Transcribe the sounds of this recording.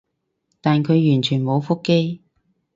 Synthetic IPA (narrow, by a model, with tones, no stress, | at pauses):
t̪aː˨nkʰɵ˨˧ɥjyː˨˩nt͡ʃʰyː˨˩nmo˨˧wfʊ˥kːe˥j